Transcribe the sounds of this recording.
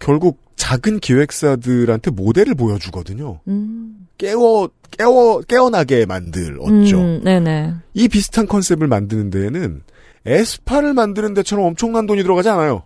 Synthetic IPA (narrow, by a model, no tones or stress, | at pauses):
kjʌɭɡuk̚t͡ɕaɡɯnkiwe̞k̚s͈adɯɾɦantʰe̞mode̞ɾɯɭpojʌd͡ʑuɡʌdɯɲo | k͈ewʌ | k͈ewʌk͈e̞ʌnaɡe̞ma̰ndɯ̰ɾʌ̰t̚t͡ɕ͈one̞ne̞ipisʰɯ̥tʰankʰʌnsʰe̞bɯɭmandɯnɯnde̞nɯn | e̞sʰɯ̥pʰaɾɯɭmandɯnɯnde̞t͡ɕʰʌɾʌmʌmt͡ɕʰʌŋnandoɲitɯɾʌɣad͡ʑianajo